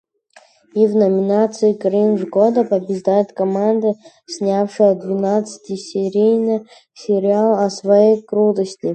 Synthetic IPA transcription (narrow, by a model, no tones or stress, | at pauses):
ivnɐmʲinat̪sɨikɾimʐɡɔd̪ɐpɐbʲɪʐd̪ajɪt̪kɐmand̪ɨ | sʲnʲafʂɨjəd̪vʲinat̪sɨ̥tʲisʲeɾʲijnɨ | sʲeɾʲialˠɐsvɐjejkɾut̪əsʲtʲi